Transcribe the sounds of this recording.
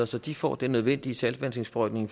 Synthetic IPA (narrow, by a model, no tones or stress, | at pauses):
ɐsɒ̽d̥ifɒ̰ːd̥enːøð̞ˠʋen̰d̥iəsælsʋæn̰se̝ŋsb̥ʁœɡ̥ne̝ŋf